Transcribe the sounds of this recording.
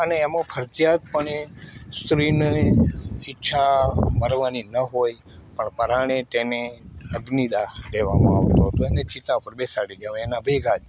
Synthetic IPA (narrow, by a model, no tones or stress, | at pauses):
əneːmõpʰəɾd͡ʒjad̪̚pəɳest̪ɾine | ɪtːʃʰaməɾʋaninəɦoj | pəɳpəɾaɽ̃et̪eneəɡnid̪aleʋa̰mã̰a̰ʋt̪oɦət̪oenet͡ʃit̪apəɾbesaɽid͡ʒjaʋenabʱeɡʱad͡ʒ